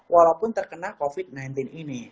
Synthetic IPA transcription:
wʔalawpʊnt̪ərkənalkofit̪̚najnt̪ɪnini

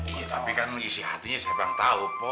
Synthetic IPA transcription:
ijat̪apikanisihat̪iɲasabaŋt̪aupɔ

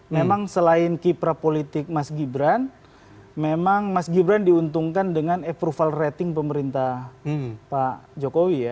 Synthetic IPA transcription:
memaŋsəlaɪnkipɾapolit̪ɪk̚masɡibɾan | memaŋmasɡibɾandiunt̪uŋkandəŋanɛpɾufalret̪ɪŋpəməɾint̪a | pad͡ʒokowija

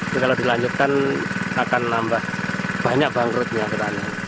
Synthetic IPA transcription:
ikalodilaɲd͡ʒut̪̚kanakanːambahb̥aɲak̚baŋɾʊt̪̚ɲabət̪aɲa

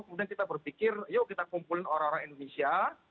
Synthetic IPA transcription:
kəmudiankit̪abərpikɪrjokit̪akumpulɪnoɾãŋoɾaŋindonesia

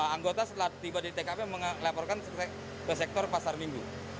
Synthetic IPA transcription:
aŋɡot̪asət̪əlaht̪ibadit̪ekapeməŋlapɔrkan | kəs̬ɛk̚t̪ɔrpasarmiŋɡu

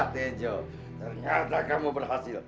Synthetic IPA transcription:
t̪ed͡ʒɔ | t̪ərɲat̪akamubərɦasɪl

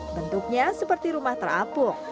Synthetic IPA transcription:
bənt̪uk̚ɲasəpərt̪iɾumaht̪ərapʊk̚

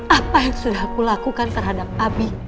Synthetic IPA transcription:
ʔapajaŋsudahkulakukant̪ərɦadap̚abi

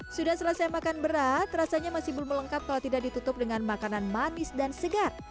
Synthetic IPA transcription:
sudahsəlasajamakanbəɾat̪̚rasaɲamasihbʊlmələŋkap̚kalawt̪idak̚dit̪ut̪ʊp̚dəŋanmakananmanɪsdansəɡar̚

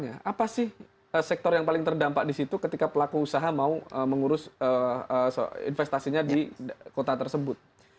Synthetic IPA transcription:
ɲaapasɪh | əsɛk̚t̪ɔrjaŋpalɪŋt̪ərdampaʔdisit̪ukət̪ikapəlakuːsaɦamauəməŋuɾʊsəəsɪ̰nfɛst̪asiɲadikot̪at̪ərsəbʊt̪̚

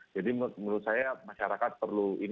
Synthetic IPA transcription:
d͡ʒadimməɾut̪̚sajamaʃaɾakat̪̚pərluin

